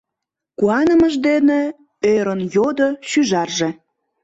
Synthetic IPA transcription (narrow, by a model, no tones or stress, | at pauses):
kuɑnəməʒd̪ene | øɾənjod̪oʃyʒɑrʒe̽